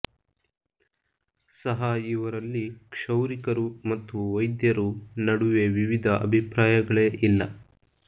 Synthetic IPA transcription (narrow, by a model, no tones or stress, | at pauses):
sɐɦɐiʋɐɾɐlːikʂɐwɾikɐɾumɐt̪ːuʋɐjd̪jɐɾunɐɽuʋe̞ʋiʋid̪ʱɐʔɐ̰bʱipɾaːjɐɡɐɭeʔilːɐ